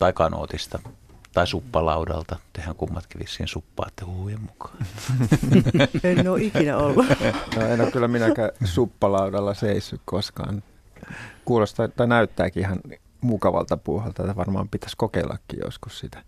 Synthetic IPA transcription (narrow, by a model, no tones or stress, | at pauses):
t̪ɑikɑno̰ːt̪ist̪ɑt̪ɑisupːɑlɑudɑ̰lt̪ɑt̪ehæŋkumːɑt̪kæʋissiːhensupːɑ̰ːt̪ːehuhujemmukʰɑ̥ː | ennoːikinæolːunoːenːækkylːæminækæsupːɑlɑudɑlːɑseisːukkoskɑ̰ːn | kuːlost̪ɑt̪ɑnæyt̪ːæːkiihɑn | mukɑʋɑ̰lt̪ɑpuːhɑlt̪ɑet̪ːæʋɑrmɑ̰ːmpit̪æ̥skokeilːɑ̰kːḭjo̰skussit̪æ̥